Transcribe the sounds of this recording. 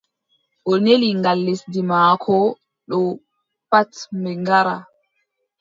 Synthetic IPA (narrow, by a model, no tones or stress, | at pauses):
ʔɔneliŋɡalːesdimaːkʰɔ | ɗɔ | patmɛŋɡaɾa